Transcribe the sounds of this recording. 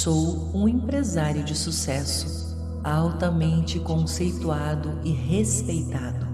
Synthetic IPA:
sow | ũẽpɾezaɾjʊd͡ʒɪsusɛsʊ | awt̪ɐmẽnt͡ʃɪkõsejt̪uad̪ʊʔɪɦespejt̪ad̪ʊ

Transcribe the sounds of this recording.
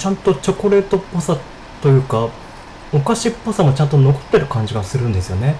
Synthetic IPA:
t͡ɕãnt̪o̞t͡ɕo̞ko̞ɾe̞ːt̪o̞posa | t̪o̞jɯ̟ːka | okaɕipːosamo̞t͡ɕãnt̪ono̞ko̥t̪ːe̞ɾɯ̟kãɲ̟d͡ʑiɡasɨɾɯ̟̃nd̪e̞sɨjo̞ne̞

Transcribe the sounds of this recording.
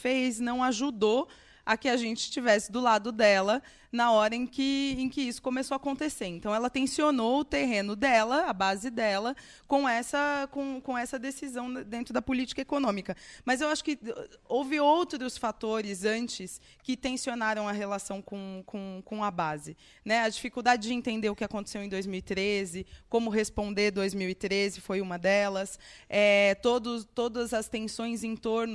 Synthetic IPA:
fejznɐ̃w̃aʒud̪o | ɐkɪaʒẽnt͡ʃɪ̥st͡ʃivɛsɪd̪ʊlad̪ʊd̪ɛlɐ | nɐɔɾɐẽkɪẽj̃kɪisʊ̥komesoakõnt̪eseɾẽnt̪ɐ̃w̃ɛlɐt̪ẽsionoʊt̪eɦẽnʊd̪ɛlɐɐbazɪd̪ɛlɐ | kõw̃ɛsɐkõkõɛsɐd̪esizɐ̃w̃d̪ẽnt̪ɾʊd̪ɐpʊlit͡ʃi̥kɐekonõmikɐmɐzewaʃʊ̥kɪowvɪowt̪ɾʊsfat̪oɾɪzɐ̃nt͡ʃɪs | kɪt̪ẽsionaɾɐ̃w̃ɐɦelasɐ̃w̃kõkʰõkõɐbazɪ | nɛɐd͡ʒifikuwd̪ad͡ʒɪd͡ʒɪẽnt̪ẽnd̪eɾʊkɪakõnt̪esewẽj̃d̪ojzmiwit̪ɾezɪkõmʊɦespõnd̪eɾd̪ojzmiwɪt̪ɾezɪfojũmɐd̪ɛlɐsɛt̪od̪ʊt̪od̪ɐzɐst̪ẽsõj̃zẽt̪oɾnʊ

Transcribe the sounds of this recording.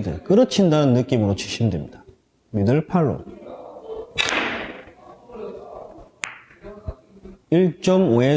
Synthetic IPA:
dɯkɯɾʌt͡ɕʰindanɯnːɯk͈imɯɾot͡ɕʰiɕʰimdwemɲida | midɯɭpʰaɭːo̰ | iɭt͡ɕ͈ʌmoe

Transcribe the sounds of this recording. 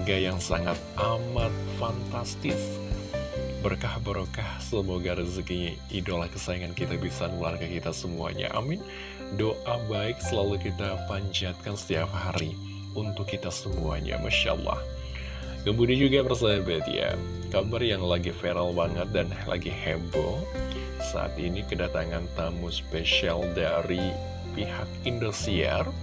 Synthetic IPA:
ɡajaŋsaŋat̪̚ʔamat̪̚fant̪ast̪ɪs | bərkahbəɾʔokahsəmoɡaɾizəki | idolahkəsaiŋankit̪abisanəlarɡakit̪asəmua̰ɲa̰ʔa̰mɪn | doʔabaɪk̚səlalukit̪apaɲd͡ʒat̪̚kansə̥t̪iap̚haɾi | unt̪ʊkːit̪asəmua̰ɲa̰maʃaʔlːɑ̰h | ɡəmbudid͡ʒuɡapərsajabat̪ḭa̰ | kabarjaŋlaɡifeɾalbaŋət̪̚dan | lʔa̰ɡihɛbo | sa̰a̰t̪inikədat̪aŋant̪amuspeʃialdaɾi | pihak̚indusia̰r

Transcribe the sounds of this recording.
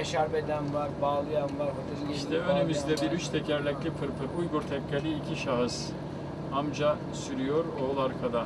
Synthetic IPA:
eʃaɾbed̪ænvaɾbaːlˠɯjanvaɾɦot̪ʰeliʃt̪ɛønemizd̪ɛbiɾyt͡ʃt̪ʰɛcʰæɾlʲɛclʲipʰɯɾpʰɯɾujɡuɾt̪ʰɛkːelʲiːcʰiʃaɦɯz̥ | amd͡ʒa | syɾyjo̞ɾolˠaɾkʰad̪a

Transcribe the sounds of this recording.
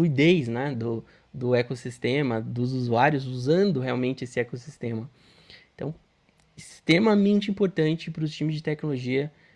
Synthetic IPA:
uid̪ejznɛd̪ʊ | d̪ʊekosist̪ẽmɐd̪ʊzuzuaɾjʊzuzɐ̃nd̪ʊheawmẽnt͡ʃɪesɪɛkosist̪ẽmɐ | ẽt̪ɐ̰̃w̃ | ɪst̪ɾemɐmẽnt͡ʃɪĩpoɾt̪ɐ̃nt͡ʃɪpɾʊst͡ʃĩmɪzd͡ʒɪt̪ɛknoloʒiɐ

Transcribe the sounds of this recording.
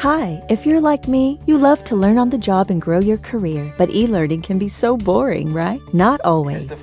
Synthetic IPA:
haɪɨfjə˞laɪk̚mijɨlʌv̥tʰəlɜ̃˞nə̃nðəd͡ʒɑbɨ̃nɡɹoʊjə˞kʰə˞ɪɹb̥ʌɾʔilɜ̃˞nɪ̃ŋkʰɨ̃nbisoʊbɔɹɪ̰̃ŋɹaɪtnəɾɔlˠwḭz̥

